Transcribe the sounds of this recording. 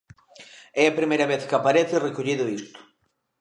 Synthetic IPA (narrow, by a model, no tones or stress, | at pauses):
ɛɐpɾimejɾɐβeθkapaɾeθɪrekoʎiðʊist̪ʊ̥